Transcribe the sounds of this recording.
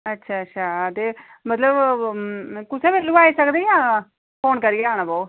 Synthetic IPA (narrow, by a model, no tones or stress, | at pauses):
ətːʃʰaːəːʃʰaːt̪eː | mət̪ləb | kʊsẽːbelːũːaːiːsəkd̪ẽjãː | pʰoːnkəɾieaːñaːbɔː